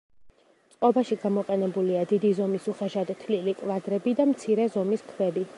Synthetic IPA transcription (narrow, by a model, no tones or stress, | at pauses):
t̪sʼqʼɔbaʃiɡamɔqʼɛnɛbuliad̪id̪izɔmisuχɛʃad̪t̪ʰlilikʼvad̪ɾɛbid̪amt̪sʰiɾɛzɔmiskʰvɛbi